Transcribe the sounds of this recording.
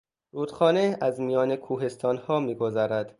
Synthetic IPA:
ɾuːd̪̥xɒːneæzmijɒːnekʰuːɦe̞st̪ʰɒːnhɒːmiːɡo̞zæːɾæd̪̥

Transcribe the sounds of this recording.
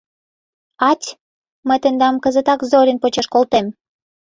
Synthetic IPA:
ɑtʲ | məjt̪ənd̪ɑmkəzət̪ɑkzoɾʲənpot͡ɕeʃkolt̪em

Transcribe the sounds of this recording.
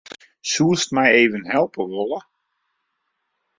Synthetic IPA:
suəstmɛjeːvənɦɛlˠpəʋɔlˠə

